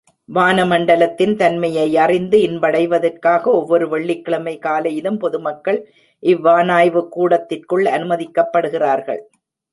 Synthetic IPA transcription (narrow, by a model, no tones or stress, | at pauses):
ʋaːnɐmɐɳɖɐlɐt̪ːɪnt̪ɐnmɐjɐɪɐrɪnd̪ɯɪnbɐɽɐɪʋɐðɐrkaːɣɐɔʋːɔɾɯʋɐɭːɪkːɪɭɐmɐɪkaːlɐjɪðɯmpɔðɯmɐkːɐɭ | ʔɪʋːaːnaːjʋɯkːuːɽɐt̪ːɪrkɯɭɐnɯmɐðɪkːɐpːɐɽɯɣɪraːɾɣɐ̰ɭ